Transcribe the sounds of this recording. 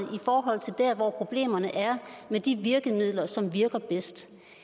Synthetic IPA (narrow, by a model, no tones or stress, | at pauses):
ifɒːɦɒ̽l̰t͡sʰe̝ld̥æɐʋɒpʰʁo̝b̥le̝̰ːmɐnəʔæɐmed̥iʋiɐɡ̥əmið̞̰ˠlɐsɒ̽mʋiɐɡ̥ɐb̥esd̥